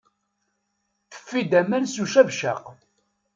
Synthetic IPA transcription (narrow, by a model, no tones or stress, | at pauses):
θə̥fːid̪æmænsuʃævʃæ̰q